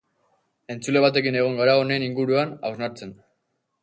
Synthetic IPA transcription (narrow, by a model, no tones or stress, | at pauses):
e̞nt͡sule̞βat̪e̞kine̞ɣ̞o̞ŋɡaɾao̞ne̞ːniŋɡuɾuanawznaɾt͡se̞n